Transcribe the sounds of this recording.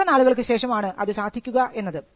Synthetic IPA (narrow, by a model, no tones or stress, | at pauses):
ɐnaːɭuɣɐɭk̬ɨɕe̞ːʂɐmaːɳɨʔɐðɨɕaːd̪ʱikʲːuɣɐʔe̞nːɐðɨ